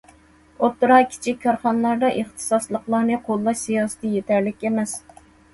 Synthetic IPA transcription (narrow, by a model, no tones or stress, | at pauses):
ot̪ːɨɾɑkʲʰi̥t͡ʃʰik̚ʲkːʰɑɾχɑnlˠɑɾd̪ɑʔeχt̪ʰɨ̥sɑslˠəqlˠɑːnɨqʰolˠːɑʃsijɑːsɨ̥t̪ʰɨjet̪ʰæɾlɪkʲemɛs